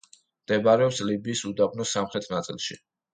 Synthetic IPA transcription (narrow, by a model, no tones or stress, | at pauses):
md̪̥ɛbaɾɛɔpslibiːsud̪abnɔsamχɾɛt̪ʰnat̪sʼḭlˠʃi